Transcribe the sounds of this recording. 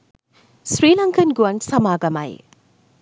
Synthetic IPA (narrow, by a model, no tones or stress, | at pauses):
sɾiːlɐŋkɐnɡuɐnsɐmaːɡɐma̰j